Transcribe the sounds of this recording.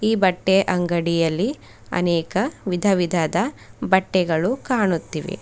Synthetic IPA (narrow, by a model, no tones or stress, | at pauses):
iːbɐʈːeʔɐŋɡɐɽijɐlːi | ɐ̰nɛːkɐʋid̪ʱɐʋid̪ʱɐd̪ɐbɐʈːɛɡɐɭukaːɳut̪ːiʋḛ